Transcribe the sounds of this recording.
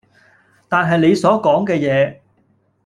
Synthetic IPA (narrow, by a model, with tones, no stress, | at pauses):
t̪aː˨nɦɐ˨jne˨˧jsɔː˨˥kɔː˨˥ŋkɛː˧jɛː˨˧